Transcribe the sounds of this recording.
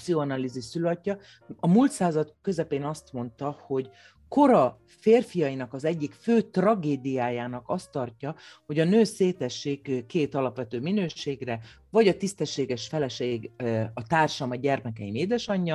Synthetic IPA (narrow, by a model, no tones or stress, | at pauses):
psioɒnaliziʃsylɒcːɒ | ɒmuːlt̪saːzɒt̪kø̞zɛpeːnɒst̪mo̞nt̪ɒho̞ɟ | ko̞ɾɒ | feːrfijɒjinɒkɒzɛɟːikføːt̪rɒɡeːd̪ijaːjaːnɒkɒst̪ɒrcɒho̞ɟɒnøːseːt̪ɛʃːiːkkːeːt̪ɒlɒpʋɛt̪øːminøːʃeːɡrɛ | vɒɟɒt̪ist̪ɛʃːeːɡɛʃfɛlɛʃeːɡɒt̪aːrʃɒmɒɟɛrmɛkɛimeːd̪ɛʃɒɲːɒ